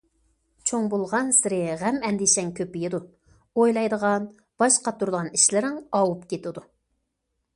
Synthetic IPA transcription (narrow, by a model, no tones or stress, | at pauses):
t͡ʃʰoŋbolˠʁɑnsɪɾɪʁɛmɛnd̪ɪʃɛŋkʲʰøpɪjɪd̪u | ojlˠɑjd̪əʁɑn | b̥ɑʃqɑt̪ʰuɾd̪əʁɑniʃlɪɾɪŋɑwupkʲʰet̪ɪd̪u